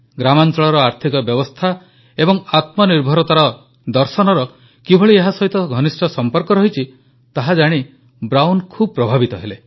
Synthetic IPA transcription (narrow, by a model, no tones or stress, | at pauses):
ɡɾamant͡ʃɔɭɔɾɔaɾt̪ʰikɔbjɔbɔst̪ʰa | ebɔŋat̪mɔniɾbʱɔɾɔt̪aɾɔ | d̪ɔɾsɔnɔɾɔ | kibʱɔɭieɦasɔɦit̪ɔɡʱɔnisʈɔsɔmpɔɾkɔɾɔɦit͡ʃʰi | t̪aɦad͡ʒaɽ̃i | bɾawnkʰubɔpɾɔbʱabit̪ɔɦele